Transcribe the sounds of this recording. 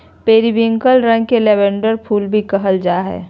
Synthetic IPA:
peːɾibɪ̃ŋɡəlɾə̃ŋɡkelɛːbɛ̃ɳɖəɾpʰuːlbʱikəɦəld͡ʒaːɦɛ̰ː

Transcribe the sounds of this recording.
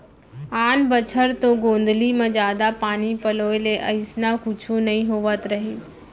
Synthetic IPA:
aːnbət͡ʃʰəɾt̪oɡõːnd̪limãd͡ʒjaːd̪apaːnipəloːeleʔəɪsnakʊt͡ʃʰũnəĩɦoːʋət̪ɾəɦiːs

